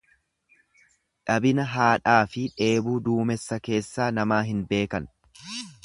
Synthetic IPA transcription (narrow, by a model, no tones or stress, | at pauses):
ᶑɐbɪnɐɦaːᶑaːfɪᶑe̞ːbuːd̪uːmɛsːɐke̞ːsːaːnɐmaːɦɪnbe̞ːkɐn